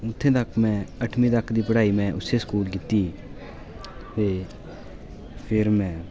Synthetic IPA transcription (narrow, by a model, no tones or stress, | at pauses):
ʊt̪ʰːẽːt̪əkʰːmɛ̃ːəʈʰmĩːd̪əkʰd̪iːpəɽaːiːmɛ̃ːʔʊseːskuːlkɪt̪iː | t̪eː | pʰɪɾmɛ̃ː